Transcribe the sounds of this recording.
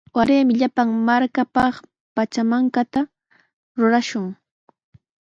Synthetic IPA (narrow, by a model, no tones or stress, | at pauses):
waɾeːmɪʎapaŋmaɾkapɑχ | pat͡ʃamaŋkat̪a | ɾʊɾaʃʊŋ